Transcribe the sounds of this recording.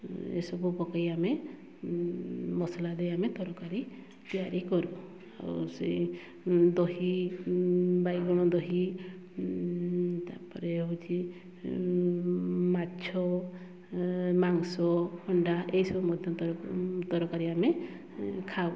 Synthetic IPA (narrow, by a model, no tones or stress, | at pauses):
ḛsɔbupɔkajame | mɔsɔlad̪ejamet̪ɔɾɔkaɾi | t̪ijaɾikɔɾu | a̰ṵsḛ | d̪ɔɦi | bajɡɔɽ̃ɔd̪ɔɦi | t̪a̰ɾpɔɾeɦut͡ʃʰi | mat͡ʃʰɔ | maŋsɔhɔɳɖaʔeɦjsɔbumɔd̪ʱjɔt̪ɔt̪ɔɾɔkaɾiame | kʰaw